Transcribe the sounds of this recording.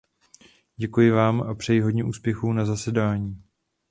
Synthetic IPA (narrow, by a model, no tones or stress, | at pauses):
ɟɛkujɪvaːmʔapr̝̥ɛjɪɦo̞dɲɛʔuːspjɛxuːnazasɛdaːɲiː